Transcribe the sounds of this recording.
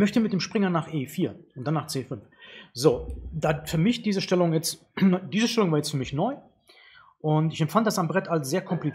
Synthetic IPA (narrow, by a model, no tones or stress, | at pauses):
mœçtəmɪt̚d̥eːmʃpʁ̥ɪŋɐnaːχʔeːfiːɐʔʊntd̥anːaːχt͡seːfʏnfz̥oːd̥aːfyːɐmɪçd̥iːzəʃtɛlʊŋjɛt͡s | ndiːzəʃtɛlʊŋvaːɐjɛt͡stfyːɐmɪçnɔʏ | ʔʊntɪçɛmtfanddasambʁɛtʰalsz̥eːɐkʰɔmpli